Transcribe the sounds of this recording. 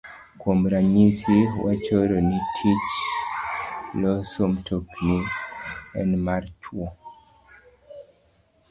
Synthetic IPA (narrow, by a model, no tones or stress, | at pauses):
kʰomɾaɲisiwa̰t͡ʃəɾɔnitʰit͡ʃ | lɔsomtʰokni | ɛ̰nmaɾtʰwɔ